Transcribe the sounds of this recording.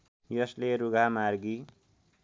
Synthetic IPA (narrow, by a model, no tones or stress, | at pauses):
jʌsleɾuɡʱamarɡi